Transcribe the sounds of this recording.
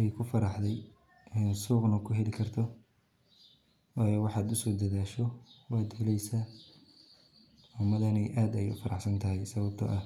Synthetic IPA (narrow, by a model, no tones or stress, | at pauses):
ʔɛjkʰʊfɐɾɑħd̪ɛj | ɛnsuːqnɐkʰʊɦɛlɪkʰɐrt̪ʰɔ | wɑːjɔwɑħɑːd̪ʊsɔːd̪ɐðaːʃɔwɑːd̪hɛlɛjsaː | ʊmɐðɐnɛjʔaːd̪ɛjʊ̰fɐɾɑħsɐnt̪ʰɐɦɛjsɐβɐbt̪ʰɔ̰ʔɐ